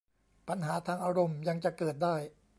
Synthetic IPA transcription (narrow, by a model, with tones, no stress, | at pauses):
pa˧nɦaː˩˦t̪ʰaː˧ŋʔaː˧ɾo˧mja˧ŋt͡ɕa˨˩kɤː˨˩t̪̚daː˥˩j